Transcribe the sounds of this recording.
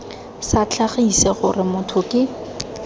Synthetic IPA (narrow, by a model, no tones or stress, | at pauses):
sat͡ɬʰaχisɛχʊrɪmʊtʰʊkɪ